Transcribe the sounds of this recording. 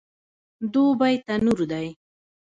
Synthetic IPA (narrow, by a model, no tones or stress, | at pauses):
d̪ubajt̪anʊɾd̪aj